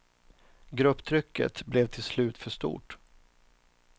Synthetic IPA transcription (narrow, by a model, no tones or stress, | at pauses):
ɡɾɵpːt̪ʰɾʏkʰːə̰t̪blɛvt̪ʰɪlslʉ̟ːt̪fœʂt̪ṵːʈ